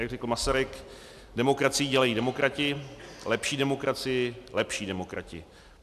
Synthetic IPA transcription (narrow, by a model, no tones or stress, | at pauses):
jaɡrɛkl̩masaɾɪk | dɛmo̞kɾat͡sɪjiɟɛlajiːdɛmo̞kɾʔacɪlɛpʃiːdɛmo̞kɾat͡sɪjɪlɛpʃiːdɛmokɾa̰cɪ̰